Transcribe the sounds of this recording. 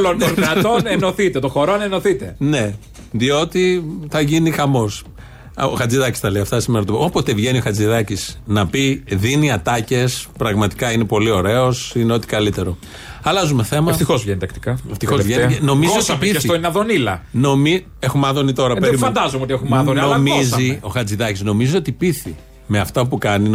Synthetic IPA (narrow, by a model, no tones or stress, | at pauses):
lont̪oɾɐt̪onenoθit̪et̪oxo̞ɾoneno̞θit̪e̞ne̞ | ðio̞t̪iθɐʝinixɐmo̞s | oxɐt͡siðɐci̥st̪ɐleɐft̪ɐsimeɾɐt̪oopot̪evʝenioxɐd͡ziðɐcisnɐpiðiniɐt̪ɐce̞spɾɐɣmɐt̪i̥kɐine̞po̞lio̞ɾe̞o̞sine̞ot̪i̥kɐlit̪e̞ɾo̞ | ɐlɐzumeθe̞mɐeft̪ixozvʝenit̪ɐkt̪i̥kɐeft̪ixovʝenno̞miziosiɐpiɐft̪oineɐðonilɐno̞mi | exumɐðonit̪o̞ɾɐpeɾifɐnd̪ɐzomeot̪iexumɐðonnomiszio̞xɐd͡ziðɐcizno̞mizio̞t̪ipiθi | me̞ɐft̪ɐpukɐnin